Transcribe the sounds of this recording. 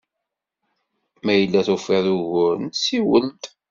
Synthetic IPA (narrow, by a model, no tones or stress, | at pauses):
mæjəlːæθufeðuʝʊɾnsiwəlt̪